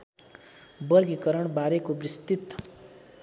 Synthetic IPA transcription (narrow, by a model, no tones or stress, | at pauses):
bʌɾɡikʌɾʌɳbaɾekobrist̪it̪